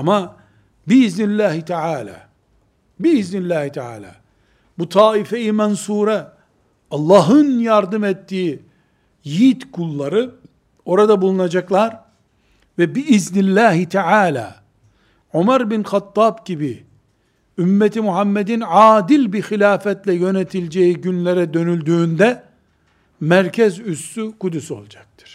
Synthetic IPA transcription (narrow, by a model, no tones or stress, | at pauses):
ama | biiznilʲːæːɦit̪ʰɛʕaːlʲa̰ː | biiznilʲːæːhit̪ʰɛʕa̰ːlʲa̰ː | but̪ʰaːifejimɛnsuːɾɛ | ɑlˠːɑːɦɯnjaɾd̪ɯmɛt̪ːiː | jit̪kʰulˠːaɾɯ | o̞ɾad̪abulˠunad͡ʒaklˠaɾ | vɛbiʔiznilʲːæːɦit̪ʰɛʕaːlʲa̰ː | ʕomæɾbinxat̪ːɑːbɟibi | ymːɛt̪ʰimuɦamːed̪inʕaːd̪ilʲbixilʲaːfɛt̪lʲɛjø̞net̪ʰilʲd͡ʒejiɟynlʲeɾɛd̪ø̞nylʲd̪yːnd̪ɛ | mæɾcʰɛzyst̪ykud̪yso̞̰lˠd͡ʒak̚t̪ʰɯ̥ɾ̥